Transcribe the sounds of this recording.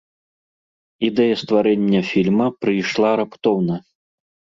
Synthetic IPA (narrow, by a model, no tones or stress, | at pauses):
id̪ɛjɐst̪vaɾɛnʲːɐfʲilʲmɐpɾɨjʂlˠaɾɐpt̪ɔwnɐ